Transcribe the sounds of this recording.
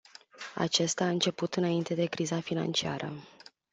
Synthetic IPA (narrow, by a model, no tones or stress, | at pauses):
a̰t͡ʃe̞st̪aːɨnt͡ʃe̞put̪ɨnaint̪e̞d̪e̞kɾizafina̰nt͡ʃia̰ɾə̰